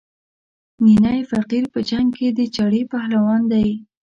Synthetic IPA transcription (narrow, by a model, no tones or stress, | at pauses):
ninajfaqiɾpəd͡ʒaŋɡ̚ked̪ət͡ʃaɽepahlawɑnd̪aj